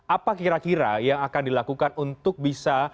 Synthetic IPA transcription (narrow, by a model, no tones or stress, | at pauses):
apakiɾakiɾa̰jaŋakandilakukanunt̪ʊk̚bisa